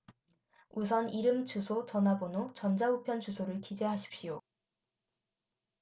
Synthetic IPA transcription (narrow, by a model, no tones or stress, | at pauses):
us̬ʰʌniɾɯmt͡ɕusʰot͡ɕʌnɦabonot͡ɕʌnd͡ʑaɦupʰjʌnt͡ɕusʰoɾɯɭkid͡ʑe̞ɦaɕʰi̥p̚ɕ͈ijo